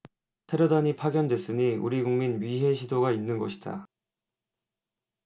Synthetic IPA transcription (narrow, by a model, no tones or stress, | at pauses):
tʰe̞ɾodaɲipʰaɡjʌndwe̞s͈ɯɲiṵɾiɡuŋminɥiɦe̞ɕʰidoɡainːɯnɡʌɕʰi̥da̰